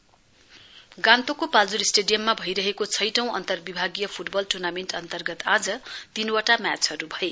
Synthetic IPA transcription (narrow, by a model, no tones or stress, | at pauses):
ɡãnt̪okopald͡zuɾisʈeɖijʌmːabʱʌjɾʌɦekot͡sʰʌjʈʌ̃w̃ʌ̰nt̪ʌrbibʱaɡijʌpʰuʈbʌlʈurnamenɳʈʌnt̪ʌrɡʌt̪ad͡zʌt̪inwaʈamjat͡sɦʌɾubʱʌe